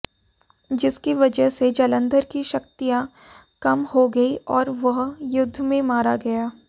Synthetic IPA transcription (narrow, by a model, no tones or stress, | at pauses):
d͡ʒɪskiʋɐd͡ʒəɦsed͡ʒɐlə̃nd̪əɾkiʃɐkt̪ijã | kɐmhoɡɐiʔɔːɾʋɐɦjʊd̪ʱːmẽmaːɾaɡɐjaː